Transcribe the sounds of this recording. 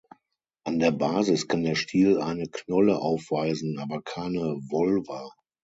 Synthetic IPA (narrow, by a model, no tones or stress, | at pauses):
ʔandeːɐbaːzɪskʰandeːɐʃtʰiːlʔaɪnəknɔləʔaʊfv̥aɪzn̩ʔaːbɐkʰaɪnəvɔlva